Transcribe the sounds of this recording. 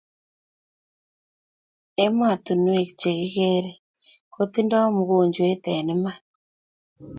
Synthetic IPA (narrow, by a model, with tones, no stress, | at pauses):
e˦mwa˨tu˨nu˦e˨kt͡ʃe˨ɣi˦ɣe˦ɾe˨ | ko˦t̪i˦nda˦o˦mu˨ɣo˨ɲd͡ʒwe˦t̪ɛ˨ni˦ma˦